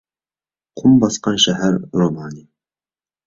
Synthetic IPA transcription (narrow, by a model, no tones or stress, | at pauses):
qʰʊmbɑsqɑnʃaɦæɾɾomɑːni